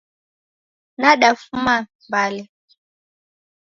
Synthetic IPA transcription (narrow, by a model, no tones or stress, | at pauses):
naɗafumambalɛ